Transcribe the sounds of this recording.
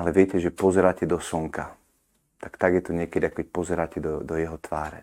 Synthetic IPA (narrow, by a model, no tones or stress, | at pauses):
alɛʋɪɛcɛʒɛpɔzɛɾaːcɛd̪ɔsɔŋka | t̪akt̪aɡjɛt̪ɔɲɪɛkɛd̪iakɔkɛc̚pɔzɛɾaːcɛd̪ɔd̪ɔjɛɦɔt̪ʋaːɾɛ̰